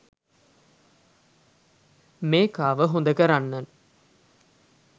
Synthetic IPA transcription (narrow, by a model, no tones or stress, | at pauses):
meːkaːʋəɦond̪ɐkɐɾanːɐn